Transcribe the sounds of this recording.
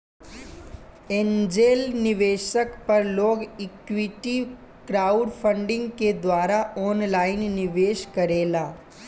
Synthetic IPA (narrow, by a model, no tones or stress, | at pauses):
end͡ʒelnɪʋeːʃəkpəɾloːɡikʋiʈi | kɾauɖpʰəɳɖɪ̃ŋɡked̪ʋaːɾaɔːnlaːɪnːɪʋeːʃkəɾeːlaː